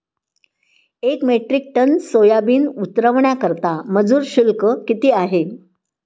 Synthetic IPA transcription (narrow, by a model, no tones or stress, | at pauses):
ekmeʈɾik̚ʈənsojabiːnut̪ɾəʋɳjakəɾt̪aməd͡zuːɾɕulkəkit̪iːaɦe